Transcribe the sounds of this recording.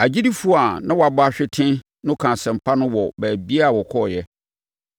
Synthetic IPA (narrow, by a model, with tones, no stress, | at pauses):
a˨d͡ʑi˦di˦fu˦a˨nã˦wa˨bʊ˦a˨ɕᶣɪ˦tʰɪ̃˦ | nʊ̃˦kʰã˨sɛ̃˨m̩˨pʰa˦nʊ̃˦wɔ˨bæː˨bi˦a˦˨wɔ˨kʰɔ˦˨jɛ˦